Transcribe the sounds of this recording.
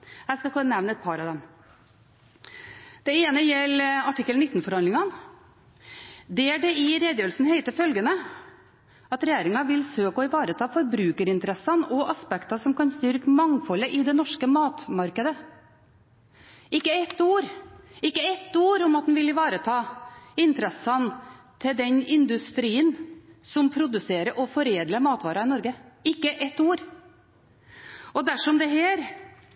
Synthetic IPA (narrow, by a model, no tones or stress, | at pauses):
hæːskɑkʰɔənɛʋnəɛt̪̚pʰɑɾɑʋd̪ɛm | d̪̥ɛeːnəjɛlːɑʈɪkːəlnɪt̪ːnfɔɾhɑnlɪŋɑn | d̪ɛæɖɛɪɾeːd̪jøːlsn̩heɪt̪əfœlɡənə | ɑt̪ɾɛjeːɾɪŋɑʋɪlsøːkɔɪʋɑːɾət̪ʰɑːfɔɾbɾʉːkəɾɪnt̪əɾɛsːɑnɔʔɑspɛkt̪ɑsɔmkɑnst̪ʏɾkəmɑŋfɔlːəʔɪd̪ɛnɔʂkəmɑːt̪mɑɾkəd̪ə | ɪkːəɛt̪ːuːɾɪkːəɛt̪ːuːɾʊmɑt̪̚d̪ɛnʋɪlɪʋɑːɾət̪ʰɑːɪnt̪əɾɛsɑn | t̪ʰɪld̪ɛnɪnd̪ʉst̪ɾiːənsɔmpʰɾʊd̪ʉseːɾəʔɔfɔɾeːd̪ləmɑːt̪ʋɑːɾɑɪnɔɾɡəɪkːəʔɛt̪ːuːɾ | ɔd̪æʂɔmd̪ɛɦæːɾ